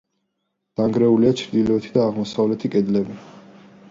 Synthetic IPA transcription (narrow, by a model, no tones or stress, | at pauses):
d̪̥aŋɡɾɛuliat͡ʃʰɾd̪ilɔɛt̪ʰid̪aːʁmɔsavlɛt̪ʰikʼɛd̪lɛbi